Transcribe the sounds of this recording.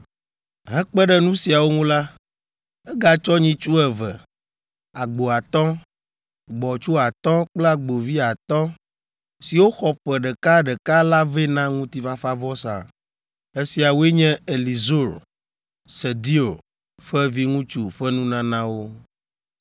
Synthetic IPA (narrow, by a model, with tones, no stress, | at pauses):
ɦɛ̃˦k͡pɛ˦ɖɛ˦nũ˦si˨a˨wo˦ŋũ˦la˦ | ɛ˦ɡa˨t͡ʃɔ˦ɲĩ˦t͡ʃu˦ɛ˨vɛ˨ | a˨ɡ͡bo˨a˨t̪ɔ̃˦ | ɡ͡bɔ˨t͡ʃu˦a˨t̪ɔ̃˦k͡pla˦ɡ͡bo˨vi˦a˨t̪ɔ̃˦ | si˨wo˦xɔ˦ɸɛ˨ɖɛ˨ka˦ɖɛ˨ka˦la˦ve˦nã˦ŋũ˦t̪i˦fa˦fa˦vɔ˦sã̰˨ | e˦si˨a˨wo˦e˦ɲɛ̃˦e˨li˨zo˦˨ɾ | sɛ˨d̪i˦o˨ | ɸɛ˦vi˦ŋũ˦t͡ʃu˨ɸɛ˦nũ˦nã˦nã˦wo˦